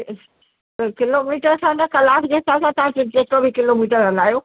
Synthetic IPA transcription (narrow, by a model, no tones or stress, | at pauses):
kɪloːmiːʈəɾsãnɐkɐlaːkd͡ʑeːt̪ʰãsãt̪ɐʋãt͡ɕod͡ʑeːkobʱikɪloːmiːʈəɾɦɐlaːjoː